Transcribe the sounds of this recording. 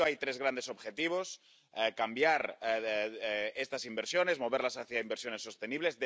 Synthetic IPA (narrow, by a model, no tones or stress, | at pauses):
oajt̪ɾe̞zɣɾand̪e̞so̞bxet̪iβ̞o̞s | ɛkambjaɾ | est̪asimbeɾsjone̞zmo̞β̞eɾlasaθjaimbeɾsjo̞ne̞sːo̞st̪eniβlezðe